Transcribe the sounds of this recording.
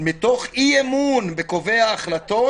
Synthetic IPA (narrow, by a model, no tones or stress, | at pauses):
mit̪oχiemunbekoveaːχlato